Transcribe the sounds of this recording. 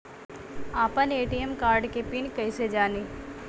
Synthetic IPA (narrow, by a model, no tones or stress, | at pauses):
aːpəneːʈijemkaːɾɖkepɪnkɐɪsed͡ʒaːniː